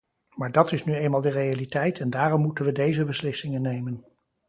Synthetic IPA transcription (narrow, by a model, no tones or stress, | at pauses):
maːɹdɑtɪsnyejnmaːlˠdərejalitɛjtʰɛndaːrɔmːutənʋədejzəbəslɪsɪŋənːejmən